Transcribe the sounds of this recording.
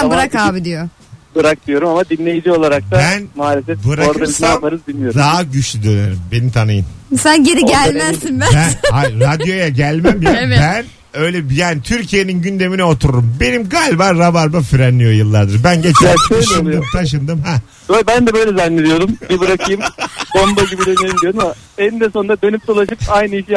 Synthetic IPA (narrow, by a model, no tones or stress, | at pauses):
ænbɯɾakaːbid̪ijo | bɯɾak̚d̪ijo̞ɾumamad̪inlʲe̞jid͡ʒio̞lˠaɾak̚t̪aænmaːlʲefɛt̪̚bɯɾaoɾd̪aɾismamaɾɯzbilʲmijod̪aɦɟyt͡ʃlʲyd̪ønøɾumbe̞nimt̪ʰanɯjɯnsænɟeɾiɟælʲmæzːinbæænhaɾad̪jo̞jaɟælʲmæmibæn | ø̞jlʲɛbjaːnit̪ʰyɾcʰije̞ninɟynd̪e̞minɛot̪ʰuɾuɾumbe̞nimɡaːlʲibaːabaɾbafyɾɛnlːʲijo̞jɯlˠːaɾd̪ɯɾbænɟet͡ʃ̪aʃɯnd̪ɯmt̪ʰaʃ̬ɯnd̪ɯmɦɛ | øbænd̪ɛbøjlʲɛzanlʲed̪ijo̞ɾumbibɯɾakʰɯjɯmbombaɟibid̪eneɾʲimd̪ijoɾumama | enid̪ɛso̞nd̪ad̪ønyp̚d̪olˠaʃɯpajnɯiʃij